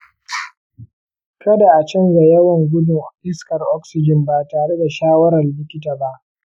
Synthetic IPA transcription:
kɐ˦da˨ʔa˨t͡ʃɐ˦nza˨jɐ˦wɐ˨ŋɡʷʊ˦dʊ˨ŋʔɪ˦skɐ˨rʔɔ˦ksɪ˨d͡ʒɪ˨mba˨taː˨ɽe˦da˨ʃaː˦wɐ˦ɾɐ˨rlɪ˦kʲɪ˦t̬aː˨ba˦ʔ

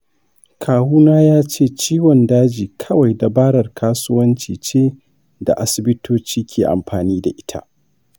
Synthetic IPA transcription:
kʰaː˨huː˦naː˦jaː˦t͡ʃeː˦˨t͡ʃiː˦wɔ˨ndaː˦d͡ʒiː˨kʰɐ˦wa˨jda˨baː˦ɽɐ˨rkʰaː˦sʊ˦wɐ˦nt͡ʃiː˨t͡ʃeː˦ | da̰˨ʔa˦sɪ˨bɪ˦tʰoː˦t͡ʃiː˦kʲʰeː˨ʔa̰˨mɸaː˨niː˦da˨ʔɪ˦tʰa̰˦ʔ

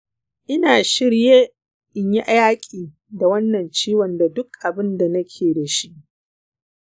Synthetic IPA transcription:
ʔɪ˦naː˨ʃɪ˦ɽjeː˦ | ʔɪ˨ɲji˦ʔa˦jaː˦kʲʼiː˨ | da˨wɐ˦nːɐ˨nt͡ʃiː˦wɐ˨nda˨dʊ˦kʔa˨bɪ˦nda˨nɐ˦kʲʰeː˨da˨ʃi˦ʔ

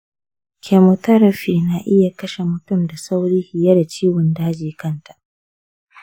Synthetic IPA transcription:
kʲʰe˨mo˨tɐ˦ɾɐ˨ɸiː˨na˨ʔɪ˦ja˨kɐ˦ʃe˨mʊ˨tʊ˦˨mda˨sa˦wɽiː˦hɪ˨ja˦da˨t͡ʃiː˦wʊ˨ndaː˦d͡ʒiː˨kɐ˦nta˨

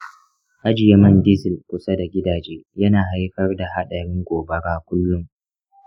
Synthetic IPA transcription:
ʔa˦d͡ʒɪ˨ja˦mɐ˦ndɪ˦zɪ˨lkʷʊ˨sɐ˦da˨ɡʲɪ˦daː˨d͡ʒeː˦jɐ˦naː˨ɦa˦jkɐ˦rda˨ha˦ɗɐ˨ɽɪ˦ŋɡʷoː˨bɐ˦ɡaː˦kʷʊ˦lːʊ˦ŋ

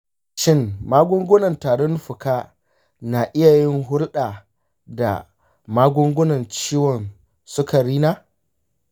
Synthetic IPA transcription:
ʃɪ˦˨ŋmaː˦ɡʷʊ˦ŋɡʷʊ˦nɐ˨ntaː˨ɾʊ˦nɸʊ˨kaː˦ | na˨ʔɪ˦ja˨jɪ˦ŋɦʊ˦lɗa˨ | da̰˨ | maː˦ɡʷʊ˦ŋɡʷʊ˦nɐ˨nt͡ʃiː˦wɔ˨n | sʊ˦ka˨ɾiː˦naː˦

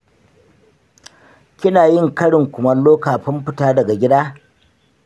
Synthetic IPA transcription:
kʲɪ˦naː˨jɪ˦˨ŋkɐ˦ɽɪ˨ŋkʷʊ˨mɐ˦loː˦kaː˨ɸɪ˦mɸɪ˦taː˦dɐ˨ɡa˨ɡʲɪ˦daː˦

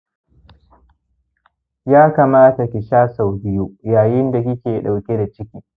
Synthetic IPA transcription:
jaː˦kaː˨maː˦ta˨kʲɪ˨ʃaː˦sa˨wbɪ˦ju˦jaː˨jɪ˦nda˨kʲɪ˦kʲeː˨ɗa˨wkʲe˦da˨t͡ʃɪ˦kʲiː˨

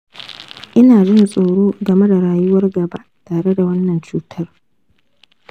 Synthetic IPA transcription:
ʔɪ˦naː˨d͡ʒɪ˦nsʼoː˨ɽoː˦ɡɐ˨me˦da˨ɽaː˨jʊ˦wɐ˦rɡɐ˨ba̰˦ʔtaː˨ɽe˦da˨wɐ˦nːɐ˨nt͡ʃuː˦tʰɐ˦r

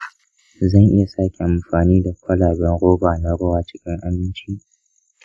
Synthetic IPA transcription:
zɐ˦ŋʔɪ˦ja˨saː˦kʲe˨ʔa˨mɸaː˨niː˦da˨kʷɐ˦laː˨bɛ˦ŋɽoː˦baː˨na˦ɽʊ˦waː˨t͡ʃɪ̥˦kʲɪ˦ŋʔa˦mɪ˦nt͡ʃiː˦

